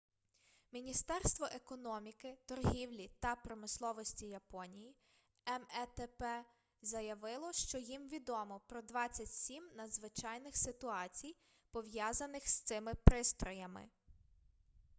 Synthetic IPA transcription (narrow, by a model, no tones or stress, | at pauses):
mʲinʲist̪ɛrst̪ʋɔʔekɔnɔmʲikɪt̪ɔrɦʲiwlʲit̪ɐpɾɔmɪslˠɔʋɔsʲtʲijɐpɔnʲiji | ɛmɛt̪ɛpɛ | zɐjɐʋɪlˠɔʃt͡ʃɔjimʋʲid̪ɔmɔpɾɔd̪ʋɑt͡sʲːɐtʲsʲimnɐd̪zʋɪt͡ʃɑjnɪxsɪt̪ʊɑt͡sʲij | pɔʋjɑzɐnɪxst̪sɪmɪpɾɪst̪ɾɔjɐmɪ̰